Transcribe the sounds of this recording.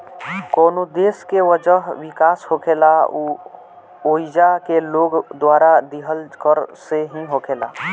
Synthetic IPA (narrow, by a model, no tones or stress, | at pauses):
koːnod̪eːskeʋəd͡ʒəɦwɪkaːshokʰeːla | oːid͡ʒakeloːɡd̪waːɾad̪iɦəlkəɾseɦĩɦoːkʰeːla̰ː